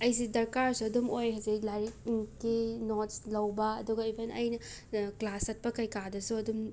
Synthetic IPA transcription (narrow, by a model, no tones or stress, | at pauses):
ɐjsidɐɾkaɾsuɐdumojɦɐziklaɾik̚kinotslɐwbɐ̰ːduɡɐibʰʱenɐjnɐklasɐt̚pɐkɐjkadɐsuɐdum